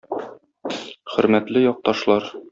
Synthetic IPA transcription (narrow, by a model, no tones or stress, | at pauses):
χɵ̆ɾmæt̪lɘjɒq̚t̪ɒʃlˠɑɾ